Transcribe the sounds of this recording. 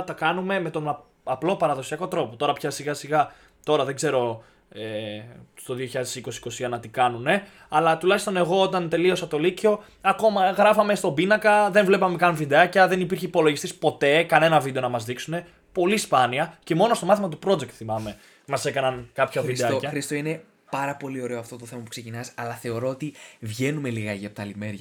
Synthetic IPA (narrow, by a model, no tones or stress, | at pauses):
t̪ɐkɐnume̞me̞t̪o̞nɐ | ɐplo̞pɐɾɐðo̞siɐko̞t̪ɾo̞po̞t̪o̞ɾɐpçɐsiɣɐsiɣɐ | t̪o̞ɾɐðe̞ɡze̞ɾo̞ | est̪o̞ðio̞çiʎɐðesiko̞siko̞siɐnɐt̪ikɐnune̞ | ɐlɐt̪ulɐçist̪o̞ne̞ɣo̞ot̪ɐnt̪e̞lio̞sɐt̪o̞lico̞ | ɐko̞mɐɣɾɐfɐme̞st̪o̞binɐkɐðe̞nvle̞pɐme̞kɐnvid̪eɐcɐðe̞nipiɾçeipo̞lo̞ʝisispo̞t̪e̞kɐne̞nɐvid̪e̞o̞nɐmɐzðiksune̞ | po̞lispɐniɐce̞mo̞nost̪o̞mɐθimɐt̪upɾo̞d͡zekt̪θimɐme̞ | mɐse̞kɐnɐnkɐpçɐvid̪eɐcɐɾist̪oine̞ | pɐɾɐpo̞lio̞ɾe̞oɐft̪o̞t̪oθe̞mɐpu̥kse̞cinɐsɐlɐθe̞o̞ɾo̞ot̪ivʝe̞numeliɣɐʝeɐpot̪ɐlimeɾʝɐ